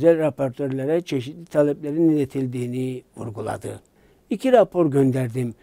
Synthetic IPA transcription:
zælʲɾapʰoɾt̪ʰøɾlʲæɾɛt͡ʃʰeʃit̪lit̪ʰalʲɛblʲeɾinilet̪ʰilʲd̪iːnivṵɾɡulˠa̰d̪ɯ̰ | icʰiɾapʰo̞ɾɟønd̪æɾd̪im

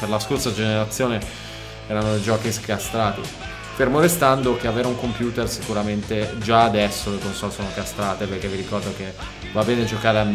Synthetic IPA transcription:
perlaskorsad͡ʒeneɾat̪sːjoːne | ɛːɾanod͡ʒɔːkiskast̪ɾaːt̪ḭ | fermod̪est̪and̪ok̟eaveːɾauŋkompjuːt̪ersikuɾament̪ed͡ʒaːd̪ɛsːolekonsɔlsoːnokast̪ɾaːt̪eperk̟evːiɾikɔrd̪ok̟e | vabɛːned͡ʒokaːɾeam

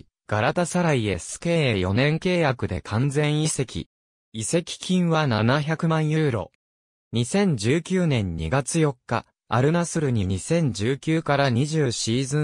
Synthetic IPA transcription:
ɡ̥aɾat̪asaɾaie̞sɨ̥keːejo̞̰nẽ̞ŋke̞ːjakɯ̟d̪e̞̰kʰãnd͡zẽ̞ɰ̃ise̞kʲḭ | ise̞kʲi̥kʲʰĩɰ̃βananaçakɯ̟mãɰ̃jɯːɾo̞̰ | ɲ̟isẽ̞ɲ̟d͡ʑɨːkʲɨːnẽ̞ɲ̟ːḭɡat͡sɨjo̞kːa̰ | a̰ɾɯ̟nasɨɾɯ̟ɲ̟iɲ̟isẽ̞ɲ̟d͡ʑɨːkʲɨːkaɾaɲ̟iʑɨːɕiːzɨ̃

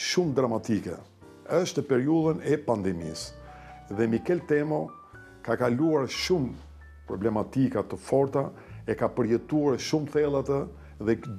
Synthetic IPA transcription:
ʃumd̪ɾamat̪ikɛ̰ | əʃt̪əpɛɾiuðənɛpand̪ɛmḭs | ðɛmikɛlt̪ɛmɔ | kakaluaɾʃum | pɾɔblɛmat̪ikat̪əfɔɾt̪a | ɛkapəɾjɛt̪uaɾʃumθɛlˠat̪ə | ðɛ

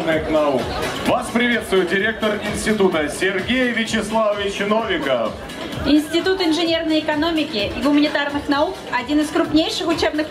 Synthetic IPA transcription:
nɨxnɐukvaspɾʲɪvʲet̪st̪vʊjɪt̪̚dʲɪɾʲe̞k̚t̪ərɪnʲsʲtʲɪt̪ut̪əsʲɪrɡʲejvʲɪt͡ɕɪslˠavəvʲɪt͡ɕɪnovʲɪkə | ɪnʲsʲtʲɪt̪ut̪ɪnʐɨnʲe̞rnəjɪkɐno̞mʲɪkʲɪʔɪɡʊmənʲɪt̪arnɨxnɐukɐdʲinɨskɾʊpnʲejʂɨxʊt͡ɕebnɨx

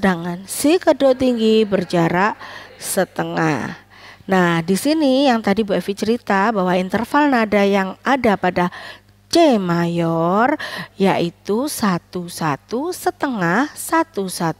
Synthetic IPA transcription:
ədaŋansihkədot̪iŋɡibərd͡ʒaɾaʔsət̪əŋa̰h | nahdisinijaŋt̪adibuɛfit͡ʃəɾit̪abawaint̪ərfalnadajaŋadapada | t͡ʃemajɔrjaʔit̪usat̪usat̪usət̪əŋahsat̪usat̪u

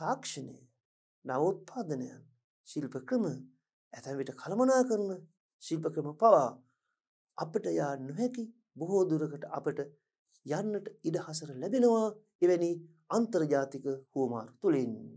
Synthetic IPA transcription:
aːkʂənḛj | naʋut̪̚pʰaːd̪ənəja̰n | ʃilpəkɾəmə | æt̪anʋiʈəkʰalɐmɐnaːkəɾunə | ʃilpəkɾəməpaʋaː | apəʈəjaːnuɦɛki | buɦod̪uɾəkəʈəʔapəʈə | janːəʈəidəhasəɾəlɛbenəʋaː | eʋɛniː | ant̪ɐɾɐd͡ʒaːt̪ikəhuma̰ːɾut̪ulin

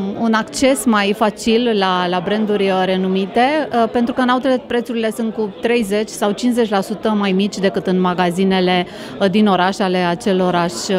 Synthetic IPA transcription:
unakt͡ʃe̞smajfat͡ʃillalabɾe̞nd̪urʲɾe̞numit̪e̞pe̞nt̪ɾukəɨnaut̪elepɾe̞t̪suɾile̞sɨnt̪̚kut̪ɾe̞jze̞t͡ʃʲsawt͡ʃinze̞t͡ʃʲlasut̪əmajmit͡ʃʲd̪e̞kɨt̪ɨnmaɡazine̞le̞ | d̪ino̞ɾaʃale̞at͡ʃe̞lo̞ɾaʃ

